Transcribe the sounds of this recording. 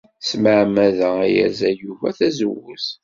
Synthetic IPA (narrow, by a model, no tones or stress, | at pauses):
sməʕmæðææjæ̰zæjuvæθæzəwʊθ